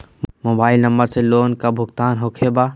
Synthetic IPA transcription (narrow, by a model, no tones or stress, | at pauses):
moːbaːɪlnəmbəɾseloːnkabʱʊɡt̪aːnɦokʰeba